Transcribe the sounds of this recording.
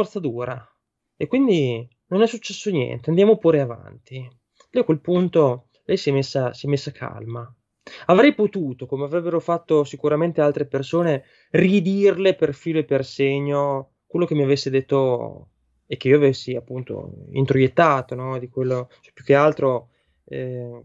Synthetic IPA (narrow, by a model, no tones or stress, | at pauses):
fɔrt̪sad̪uːɾa | ekːwind̪i | nonɛsːut͡ʃːɛsːonjɛ̰nt̪eand̪jaːmopuːɾeava̰nt̪i | lɛjakwelpunt̪o | lɛjsiɛmesːasiɛmːesːakʰa̰lma | avɾɛjpot̪uːt̪okomeavɾɛbːeɾofat̪ːosikuɾament̪ealt̪ɾepersoːne | rid̪irleperfiːloepːerseɲːo | kwelːok̟emːiavesːed̪et̪ːo | ek̟ːeiːoavesːiapːunt̪o̰ḭnt̪ɾojet̪ːaːt̪onɔd̪ikwelːot͡ʃɛpːjuk̟ːealt̪ɾo | ɛ